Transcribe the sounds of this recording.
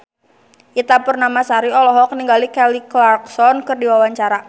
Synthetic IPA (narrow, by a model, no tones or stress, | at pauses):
ʔit̪apurnamasaɾiɔlɔɦɔkəniŋɡalikɛliklarksɔnkɨrdiwawaɲt͡ʃaɾa